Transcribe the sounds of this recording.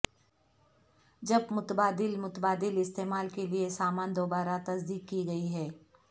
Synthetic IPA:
d͡ʒɐbmʊt̪baːd̪ɪlmʊt̪əbaːd̪ɪlɪst̪eːmaːlkeliesaːmaːnd̪oːbaːɾat̪ɐsd̪iːkːiɡɐiɦɛː

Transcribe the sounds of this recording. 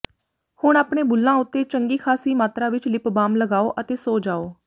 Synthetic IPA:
hʊɳaːpɳeːbʊlːãːʊt̪ːeːt͡ʃəŋɡiːkʰaːsiːmaːt̪ɾaːʋɪt͡ʃlɪpbaːmləɡaːoːʔət̪eːsoːd͡ʒaːoː

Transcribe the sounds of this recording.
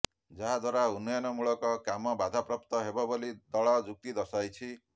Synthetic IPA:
d͡ʒaɦad̪ʱwaɾaunːɔjɔnɔmuɭɔkɔkamɔbad̪ʱapɾɔp̚t̪ɔɦebɔbolid̪ɔɭɔd͡ʒuk̚t̪id̪ɔsajt͡ʃʰi

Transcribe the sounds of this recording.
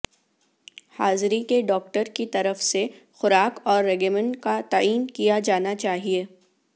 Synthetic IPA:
haːzɾikeɖɔːk̚ʈəɾkit̪ɐɾəfsexʊɾaːkɔːɾːɛɡəmə̃ɳkat̪aiːnkijad͡ʒaːnat͡ʃaːɦieː

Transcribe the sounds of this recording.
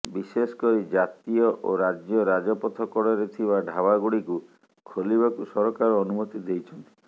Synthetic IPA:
bisesɔ̥kɔɾid͡ʒat̪iɔʔoɾad͡ʒjɔɾad͡ʒɔpɔt̪ʰɔkɔɽɔɾet̪ʰibaɖʱabaɡuɽiku | kʰoliβakusɔɾɔkaɾɔːnumɔt̪id̪ejt͡ʃʰɔnt̪i̥

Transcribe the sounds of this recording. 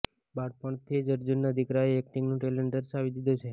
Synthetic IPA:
baɽpəɳ̃t̪ʰid͡ʒəɾd͡ʒunːəd̪ʱikɾaeɛk̚ʈĩŋɡnũʈelẽɳʈ̚d̪əɾʃaʋid̪id̪ũt͡ʃʰe

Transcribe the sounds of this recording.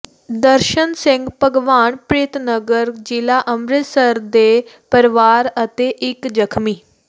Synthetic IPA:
d̪əɾʃənsɪ̃ŋɡpəɡʋaːɳpɾeːt̪nəɡəɾd͡ʑilaʔəmɾɪt̪səɾd̪e | pəɾʋaːɾət̪eʔɪkd͡ʒəkʰmiː

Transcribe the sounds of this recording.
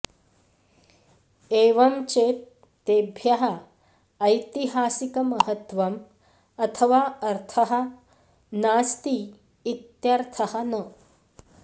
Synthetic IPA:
eːʋɐmt͡ɕe | t̪ebʱjɐɦɐː | jt̪iɦaːsikɐmɐɦət̪ʋɐm | ɐt̪ʰɐʋaɐɾt̪ʰɐɦɐ | naːst̪iː | t̪jɐɾt̪ʰɐhɐnə

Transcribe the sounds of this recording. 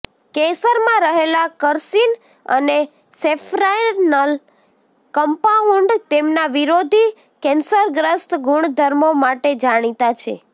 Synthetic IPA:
kesəɾmãɾəɦelakəɾsin | ə̰ne | sefɾajnəl | kəmpauɳɖt̪emnaʋiɾod̪ʱi | kɛnsəɾɡɾəst̪ɡʱuɳ̃d̪ʱəɾmomaʈed͡ʒaɽ̃it̪at͡ʃʰḛ

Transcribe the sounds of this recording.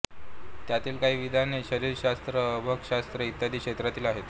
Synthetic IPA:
t̪jat̪iːlkaɦiːʋid̪ʱaneɕəɾiːɾɕast̪ɾəːbʱəɡɕast̪ɾəit̪jad̪ʱiːkʂɕet̪ɾat̪iːlaɦet̪

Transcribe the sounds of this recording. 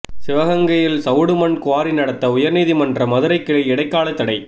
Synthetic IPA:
sɪʋɐɣɐŋɡɐjɪlsɐʊɽɯmɐnkʊʋaːɾinɐɽɐt̪ːɐʊjɐɾniːðimɐndrɐmɐðɯɾɐɪkːɪɭɐɪɽɐɪkːaːɭɐt̪ːɐɽɐɪ

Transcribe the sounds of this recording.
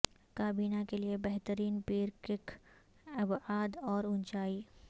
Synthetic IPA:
kaːbiːnakeliebɛɦt̪əɾiːnpiːɾkɪk | ɐbaːd̪ɔːɾʊnt͡ʃaːiː

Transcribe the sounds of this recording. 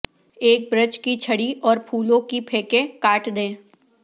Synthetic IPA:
eːk̚bɾət͡ʃkit͡ʃʰɐɽiʔɔːɾpʰuːlõkipʰeːkẽkaːʈʰd̪ẽː

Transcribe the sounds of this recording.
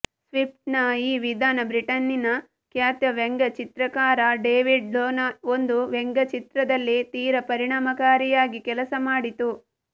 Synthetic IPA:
sʋip̚ʈnɐiːʋid̪ʱaːnɐbɾiʈɐnːinɐ | kjaːt̪jɐʋeŋɡɐt͡ʃit̪ɾɐkaːɾɐɖeːʋiɖloːnɐond̪uʋeŋɡɐt͡ʃit̪ɾɐd̪ɐlːit̪iːɾɐpɐɾiɳaːmɐkaːɾijaːɡikɛlɐsɐmaːɽit̪u

